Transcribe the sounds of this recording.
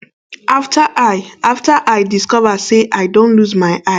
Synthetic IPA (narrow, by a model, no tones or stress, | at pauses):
aftʰaʔaɪaftaʔajdiskɔvaseʔaɪdõntluzmaɪʔa